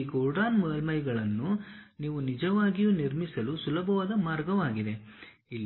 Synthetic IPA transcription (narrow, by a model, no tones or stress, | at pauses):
ɡoːɖaːnmud̪ɐlmɐjɡɐɭɐnːuniːʋunid͡ʒɐʋaːɡijuniɾmisɐlusulɐbʱɐʋaːd̪ɐmaːɾɡɐʋaːɡid̪e̞ | ilː